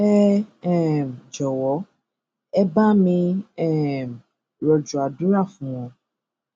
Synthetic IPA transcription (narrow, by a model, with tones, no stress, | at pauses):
ɛ˦ɛ˦˨m˨d͡ʒɔ˨wɔ˨˦ | ɛ˦ba˦mĩ˦ɛ˦˨m˨ | ɾɔ˨d͡ʒu˨a˨du˦ɾa˦˨fũ˨wɔ̃˨